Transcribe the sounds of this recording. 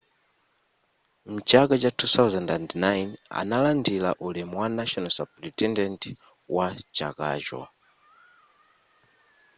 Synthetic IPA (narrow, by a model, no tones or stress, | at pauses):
m̩t͡ʃakat͡ʃatʰut̪awzɛndandnajna̰nalandila̰ʔulɛmwanaʃɔnɔsa̰plitɛndɛnti | wat͡ʃa̰ka̰ːʒwa̰